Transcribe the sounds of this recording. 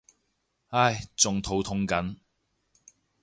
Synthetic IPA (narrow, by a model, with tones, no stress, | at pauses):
ha˥jt͡sʊ˨ŋt̪ʰo˨˥wt̪ʰʊ˧˥ŋkɐ˨˥n